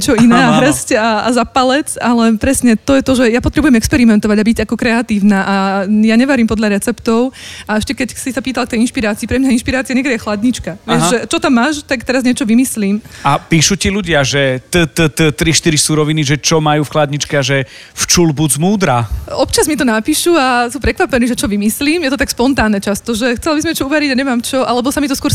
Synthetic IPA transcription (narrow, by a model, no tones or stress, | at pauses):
t͡ʃɔinɛːaɦɾ̩scaazapalɛt͡salɛpɾɛsɲɛt̪ɔjɛt̪ɔʒɛjapɔt̪ɾɛbujɛmɛkspɛɾimɛnt̪ɔʋaɟabiɟakɔkɾɛat̪iːʊnaːʔajaɲɛʋaɾiːmpɔd̪ʎaɾɛt͡sɛpt̪ɔʊaɛʃcɛkɛcsisapiːt̪alˠk̚t̪ɛjinʃpiɾaːt͡siːpɾɛmɲainʃpiɾaːt͡siɛɲɛkɡdɛjɛxlad̪ɲit͡ʃkaʋɪɛʒɛt͡ʃɔt̪amːaːʃt̪akt̪ɛɾazɲɪɛt͡ʃɔʋimisliːmapiːʃuciluɟɪaʒɛt̪ət̪ət̪ət̪ɾiʃt̪iɾisuːɾɔʋiniʒɛt͡ʃɔmajuːfxlad̪ɲit͡ʃkɛaʒɛ | ft͡ʃulbud͡zmuːd̪ɾaɔpt͡ʃazmit̪ɔnapiːʃuasuːpɾɛkʋapɛniːʒɛt͡ʃɔʋimisliːmjɛt̪ɔt̪akspɔnt̪aːnɛt͡ʃast̪ɔʒɛxt͡sɛlabizmɲɛt͡ʃɔuʋɛɾiɟaɲɛmaːmt͡ʃɔʔalɛbɔsamit̪ɔskʊɔɾ